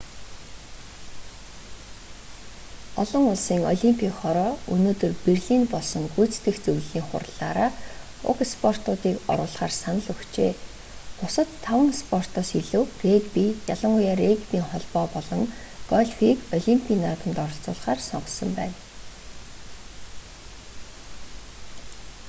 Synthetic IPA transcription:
ɔɮɞ̆ŋʊɮsiːŋɔɮimpʰʲikχɔɾɔːɵnoːt̪ɵ̆rperɮiːnpɔɮsɞ̆ŋɡujt͡st̪ɘ̆xt͡sɵwɮiːŋχʊ̰rɮaːɾaː | ʊ̰kspʰɔr̥t̪ʊːt̪iːkɔ̰ɾʊːɮχaːrsanə̆ɮɵxt͡ɕeː | pʊsə̆t̪ʰːawə̆ŋspʰɔr̥t̪ɔːsiɮɘ̆wreɡpiːjaɮə̆ŋʊjaːrekpʲiːŋχɔɮpɔːpɔɮɞ̆ŋ | ɡ̥ɔɮʲfikɔɮimpʲʰiːnːaːt̪ə̆nt̪ɔɾɞ̆ɬt͡sʊ̰ːɮχaːrsɔɴɢɞ̆sə̆mpæ̰ːn

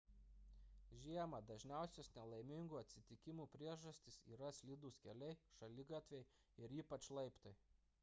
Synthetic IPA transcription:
ʒʲiɛmɐd̪ɐʒʲnʲæˑʊsʲosnʲɛlˠɐɪmʲɪŋɡuːɐt̪ʲsʲɪt̪ʲɪkʲɪmuːpʲɾʲiɛʒɐsʲt̪ʲɪsḭːɾɐsʲlʲɪd̪uːskʲɛlʲɛɪʃɐlʲɪɡɑt̪ʲʋʲɛɪ | ɪɾiːpɐt͡ʃlˠɐɪpt̪ɐɪ

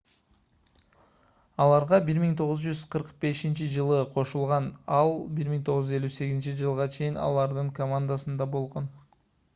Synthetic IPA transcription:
ɑlˠɑɾʁɑbiɾmiŋt̪ʰo̞ʁʊzd͡ʒyz̥qʰɯɾqbe̞ʃint͡ʃid͡ʒɯlˠɯqʰo̞ʃulˠʁɑnɑlˠbiɾmiŋt̪ʰo̞ʁzd͡ʒyzelʲyse̞ɡizint͡ʃid͡ʒɯlˠʁɑt͡ʃʰe̞jinɑ̰lˠɑɾd̪ɯŋkomand̪asɯnd̪ɑbo̞lˠʁo̞n

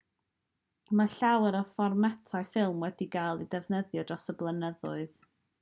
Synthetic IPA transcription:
maɬawɛɾɔfɔrmatʰaɨfɪlˠmwɛdiɡajlˠidɛvnəðjɔdrɔsəblˠənəðʊɨð

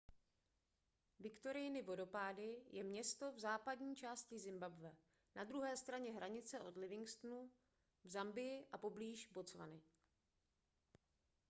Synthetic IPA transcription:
vɪkt̪o̞ɾɪjnɪvo̞do̞paːdɪjʔɛmɲɛst̪o̞vzaːpadɲiːt͡ʃaːscɪzɪmbabvɛ | nad̪ɾuɦɛːst̪ɾaɲɛɦɾʔaɲɪt͡sɛʔo̞dlɪvɪŋkst̪nu | vzambɪjɪʔapo̞bliːʒbo̞t͡sva̰nɪ

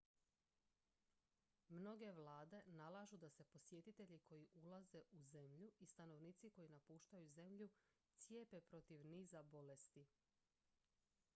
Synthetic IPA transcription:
mno̞ɡe̞ʋlaːd̪e̞nalˠaʒud̪ase̞po̞sje̞t̪it̪e̞ʎikʰo̞jiʔulaze̞ʔuze̞mʎuist̪ano̞ʋniːt̪siko̞jinapuːʃt̪ajuze̞mʎu | t̪sje̞pe̞pɾo̞t̪iʋniːzabo̞le̞st̪i

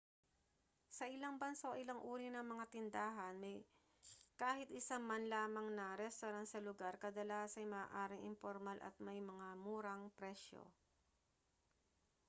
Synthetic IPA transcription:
sɐʔɪlaŋbɐnso̞̰ʔɪlɐŋʔuːɾinɐŋmɐŋat̪ɪnd̪aːɦɐnmɐj | kaːhɪt̪̚ʔɪsaŋmanlaːmɐŋnɐɾɛst̪oɾant̪sɐlʊɡaɾkɐd̪ɐlaːsɐjmaːʔaːɾɪŋʔɪ̰mpoɾmalʔɐ̰t̪̚mɐjmɐŋamuːɾɐŋpɾɛʃo̰

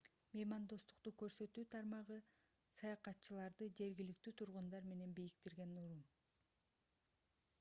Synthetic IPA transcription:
mejmand̪o̞st̪u̥qt̪ukø̞ɾsø̞t̪yːt̪ʰɑɾmɑʁɯ | sɑjɑqɑt̪ːt͡ʃɯlˠɑɾd̪ɯd͡ʒe̞ɾɡilik̚t̪yːt̪ʰuɾʁund̪ɑɾme̞ne̞nbijikt̪iɾɡe̞nuɾum

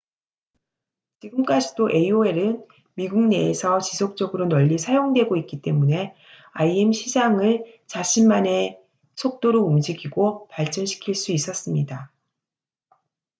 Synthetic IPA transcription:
t͡ɕiɡɯmk͈ad͡ʑid̥oʔe̞ioe̞ɾɯn | miɡuŋne̞ːsʰʌt͡ɕisʰok̚t͡ɕ͈ʌɡɯɾonʌʎːisʰajoŋdwe̞ɡoik͈it͈e̞mune̞ | aiemɕʰid͡ʑaŋɯɭ | t͡ɕaɕʰinmane̞ | sʰok̚t͈oɾoumd͡ʑiɡiɡopaɭt͡ɕ͈ʌnɕʰi̥kʰiɭs͈uis͈ʌs͈ɯmɲida

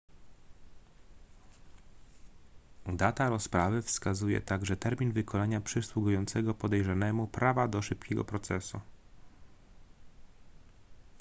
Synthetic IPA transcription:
d̪at̪aɾɔspɾavɘfskazujɛ̰t̪aɡʐɛt̪ɛɾmʲinvɘkʰɔlaɲapʂɘswuɡujɔnt̪sɛɡɔpɔd̪ɛjʐanɛmupɾavad̪ɔʂɘpkʲɛɡɔ̰pɾɔt̪sɛsu

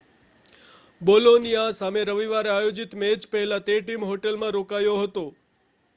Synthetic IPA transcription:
bolonijasameɾəʋiʋaɾeajod͡ʒit̪med͡ʒpəɦelat̪eʈimɦoʈelmãɾokajoɦət̪o

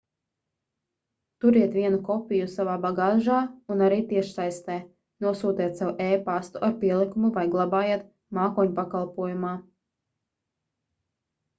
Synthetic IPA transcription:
t̪uɾiɛt̪ʋʲiɛnukɔpʲijusavaːbaɡaːʒaːunaɾiːt̪iɛʃsajst̪ɛː | nuɔsuːt̪iɛt̪sawuʔɛːpast̪uʔaɾpʲiɛlˠikumuvajɡlˠabaːjeɛt̪ | maːkɔɲʲupakalˠpuɔjumaː

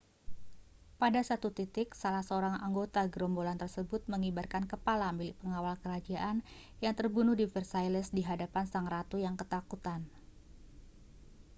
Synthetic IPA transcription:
padasat̪ut̪it̪ɪksalahsəoɾaŋaŋɡot̪aɡɾɔmbolant̪ərsəbʊt̪̚məŋibarkankəpalamilɪʔpəŋawalkəɾad͡ʒaʔan | jaŋt̪ərbunʊhdifərsajlɛsdiɦadapansaŋrat̪ujaŋkət̪akut̪an

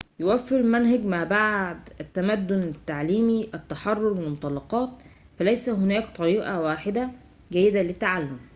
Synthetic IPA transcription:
jowæfːɪɾɪmænɦæɡmaʕbaʕd̪æt̪ːæmæd̪ːʊnɪt̪ːaʕliːmiʔæt̪ːɑħɑrˤːoɾmɪmʊt̪ˤɑlːɑqɑːt̪̚ | fælæjsæɦʊnæːkt̪ˤɑɾiːʔɑwaːħɪd̪æ | ɡæjːɪd̪ælɪt̪ːaʕalːʊm

